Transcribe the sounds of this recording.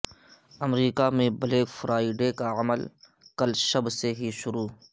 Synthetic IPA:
ɐmɾiːkamẽbɐleːkfɾʔaːɪɖekaɐməl | kɐlʃɐbseɦiʃʊɾuː

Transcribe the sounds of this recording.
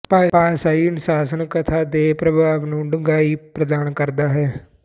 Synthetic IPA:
paːpaːsaːiːɪnsaːsənkət̪ʰaːd̪eːpɾəbʱaːʋnũːɖʊŋɡaːiːpɾəd̪aːnkəɾd̪aːɦɛː

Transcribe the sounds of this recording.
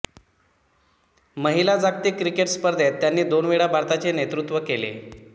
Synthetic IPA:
məɦilad͡zaɡ̚t̪ikɾikeʈspəɾd̪ʱet̪ːjanːiːd̪onʋiɽabʱaɾt̪at͡senet̪ɾut̪ʋəkelḛ

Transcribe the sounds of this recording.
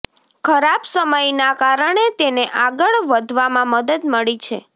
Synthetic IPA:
kʰəɾabsəməjnakaɾəɳet̪eneʔaɡəɭʋəd̪ʱʋamãməd̪əd̪məɭit͡ʃʰḛ

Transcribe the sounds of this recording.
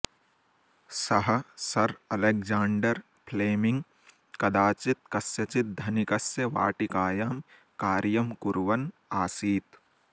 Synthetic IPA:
sɐɦɐ̆sɐɾɐlek̚d͡ʒaːɳɖɐɾ | pʰleːmĩŋɡ | kɐd̪aːt͡ʃit̪̚kɐsjɐt͡ʃit̪̚d̪ʱɐnikɐsjɐʋa̰ːʈikaːjaːm | kaːɾjɐmkuɾʋɐnaːsiːt̪

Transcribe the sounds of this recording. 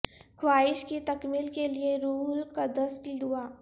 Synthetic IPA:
kʰwaːɪʃkit̪ɐkmɪlkelieɾuːlkad̪ɐsʈd̪uaː

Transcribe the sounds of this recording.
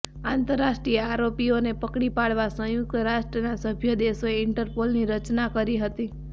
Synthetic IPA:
ãnt̪əɾːasʈɾiəaɾopionepəkɽipaɽʋasə̃jʊk̚t̪əɾaʃʈɾənasəbʱjəd̪esoeɪɳʈəɾpolniɾət͡ʃnakəɾiɦət̪i

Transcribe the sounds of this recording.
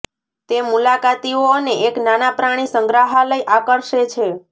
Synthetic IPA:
t̪emulakat̪ioəneʔeknanapɾaɽ̃isəŋɡɾaɦaləjʔakəɾʃet͡ʃʰe

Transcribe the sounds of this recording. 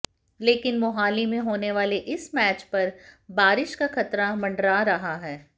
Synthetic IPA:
leːkɪnmʊɦaːlimẽɦoːneʋaːleʔɪsmɛːt͡ʃpɐɾbaːɾɪʃkaxɐt̪ɾamɐ̃ɳɖɾaɾɐɦaɦɛː

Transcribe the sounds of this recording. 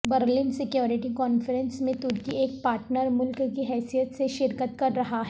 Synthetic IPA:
bəɾliːnsɪkjoːɾɪʈikɔːnfəɾɛ̃nsmẽt̪ʊɾk̪ieːk̚paːɾʈnəɾmʊlkkiɦɛːsijət̪seʃɪɾkət̪kɐɾːɐɦaɦɛ

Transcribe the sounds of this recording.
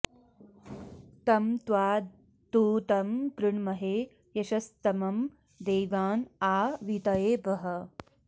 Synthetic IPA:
t̪ɐmt̪ʋaː | t̪uːt̪ɐmɡɾɨɳmɐɦeː | jɐʃɐst̪ɐmɐm | d̪eːʋaːnaːʋit̪ɐjeːbɐɦɐ

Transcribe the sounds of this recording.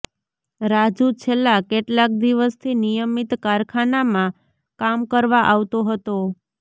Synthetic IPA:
ɾad͡ʒut͡ʃʰelːakeʈlak̚d̪iʋəst̪ʰinijəmit̪kaɾkʰanamã | kamkəɾʋaʔaʋt̪oɦət̪o

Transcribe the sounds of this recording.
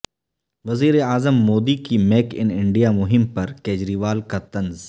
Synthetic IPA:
ʋɐziːɾeaːzəmːoːd̪ikimeːkɪ̰nɪ̃ɳɖijamʊɦɪmpɐɾkeːd͡ʒɾiːʋaːlkat̪ɐ̃nz

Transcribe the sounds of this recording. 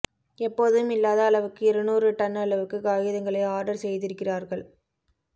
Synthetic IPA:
ɛpːoːðɯmɪlːaːðɐɐɭɐʋɯkːɯɪɾɐnuːrɯʈɐnːɐɐɭɐʋɯkːɯɡaːjɯðɐŋɡɐɭɐɪaːɾɖɐɾsɛjðɪɾɯkːɪraːɾɣɐɭ

